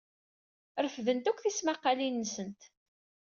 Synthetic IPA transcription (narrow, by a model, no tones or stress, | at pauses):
ɾəfðənt̪ukʷθismaqːalinːəsənt̪